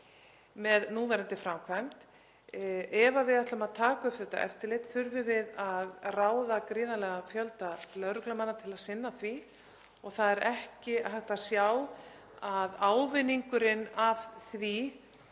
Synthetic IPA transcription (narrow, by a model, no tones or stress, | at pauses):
mɛðnuːvɛɾɪnt̪ɪfɾawkʰvajm̥t̪ | ɛvavɪðaht̪lamaðt̪ʰaːkaʏpθɛht̪ːa̰ʔɛ̰ft̪ɪɾlejt̪θʏɾvɪvɪðaðraːwðakɾɪːðalɛɣafjœlt̪alœðɾʏklamanːat̪ʰɪlaðsɪnːaθvi | ɔɣθaðɛɾɛhcɪɦajxt̪asjaːw | aðaːwvɪniŋkʏɾɪnav̥θvi